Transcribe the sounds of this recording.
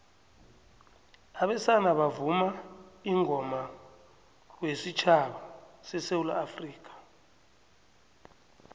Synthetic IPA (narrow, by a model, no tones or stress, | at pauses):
aɓɛsanaɓavumaiŋʱɔma | wesit͡ʃʰaɓasɛsewulaːfriːk̬ʰʼḁ